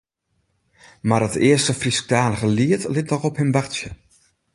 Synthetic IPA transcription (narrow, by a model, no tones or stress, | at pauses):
maɾətɪ̰əstəfrisk̚taːnəɣəliətlɪtnɔxɔphɪmʋarsjə